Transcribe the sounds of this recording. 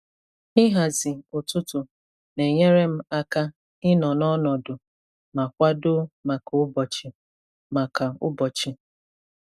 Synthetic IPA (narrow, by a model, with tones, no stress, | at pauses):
ɪ˦ɦa˨zɪ˨ʊ˨tʊ˦tʊ˨ | ne˨ɲe˦ɾe˦m̩˦a˦ka˦ | ɪ˦nɔ˨nɔ˦nɔ˨dʊ˨ | ma˨kʷa˦dʊ˦ma˨ka˨ʊ˦bɔ˨t͡ʃɪ˨ | ma˨ka˨ʊ̰˦bɔ˨t͡ʃɪ˨